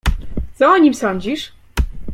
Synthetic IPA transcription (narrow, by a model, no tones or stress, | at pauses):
t͡s̪ɔɔɲimsɔɲd͡ʑiʂ